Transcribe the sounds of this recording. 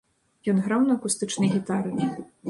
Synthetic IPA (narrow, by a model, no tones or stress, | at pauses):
jɔnɣɾawnɐɐkust̪ɨt͡ʂnɨjɣʲit̪aɾɨ